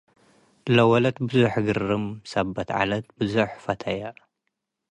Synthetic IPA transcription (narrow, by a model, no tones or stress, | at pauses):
lɐwɐlɐt̪bɨzuħɡɨɾːɨmsɐbːɐt̪ʕa̰lɐt̪bɨzuħfɐt̪ʰɐjɐ